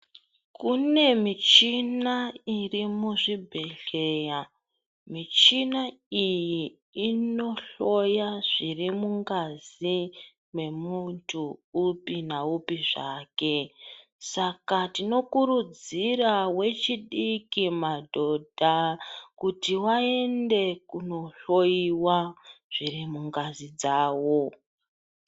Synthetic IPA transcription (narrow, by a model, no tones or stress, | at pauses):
kune̞mit͡ʃinairimuʐibʱe̞ɬeːja | mit͡ʃinaijiː | no̞ɬo̞jaʐ̥irimuŋɡazi | me̞muntʰuːpinaupiʐaːke̞ | sakatino̞kuɾud͡zirawe̞t͡ʃiɗikimadʱo̞dʱakutiwae̞nde̞kuno̞ɬo̞jiwaʐ̥irimuŋɡazid͡zaːwo̞